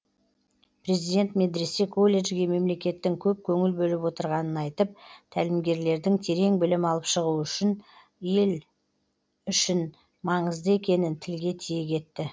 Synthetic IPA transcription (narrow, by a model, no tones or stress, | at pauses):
pʰɾe̞zid̪ʲe̞nt̪me̞d̪ɾise̞kʰo̞lʲe̞ʒɡʲe̞me̞mle̞kʲe̞t̪ːɪŋkʲʰɵp̚kʲʰɵŋɪlbɵlɪpwo̞t̪əɾʁɑnənɑjt̪əp̚t̪ʰælɪmɡʲe̞ɾle̞ɾd̪ɪŋt̪ʰe̞ɾe̞ŋbɪlɪmɑlˠəpʃəʁuʏʃɪn | je̞l | ʏʃɪn | mɑɴəzd̪əe̞kʲe̞nɪnt̪ʰɪlɡʲe̞t̪ʰijekʲʰe̞t̪ːɪ